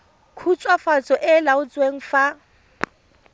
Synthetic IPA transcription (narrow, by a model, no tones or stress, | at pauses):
kʰut͡sʼwafat͡sʰʼɔʔɪlaʊt͡sʼweŋ̩fa